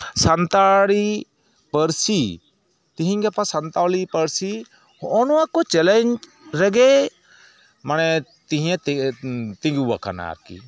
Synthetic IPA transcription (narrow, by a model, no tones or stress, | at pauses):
sant̪aɽi | pəɾsi | t̪iɦĩŋɡɛpasant̪alipəɾsi | hɔʔɔnɔwakɔt͡ʃɛlɛɲd͡ʒ | ɾɛɡɛ | manɛ | t̪ĩɦĩɛ̃ | t̪ĩŋɡuwa̰kʰa̰na̰ɾkḭ